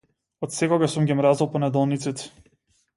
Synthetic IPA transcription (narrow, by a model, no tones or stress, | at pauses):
ɔt̪sɛkɔɡasumɡʲimɾazɔlˠpɔnɛd̪ɔlˠnit̪sit̪ɛ̥